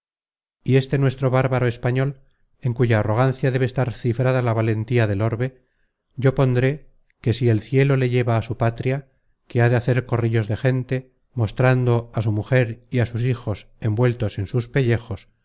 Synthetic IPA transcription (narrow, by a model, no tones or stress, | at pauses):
ie̞st̪e̞nwe̞st̪ɾo̞βaɾβaɾoe̞spaɲo̞l | e̞ŋkuʝaːro̞ɣ̞anθjaðe̞βest̪aɾθifɾaðalaβale̞nt̪iaðe̞lo̞ɾβe̞ | ɟ͡ʝo̞po̞nd̪ɾe̞ | ke̞sie̞lθje̞lo̞le̞ʝe̞βaːsupat̪ɾja | ke̞aðe̞aθe̞ɾko̞riʎo̞zðe̞xe̞nt̪e̞ | mo̞st̪ɾand̪o̞asumuxe̞ɾiasus̬ixo̞s | e̞mbwe̞lt̪o̞se̞nsuspe̞ʎe̞xo̞s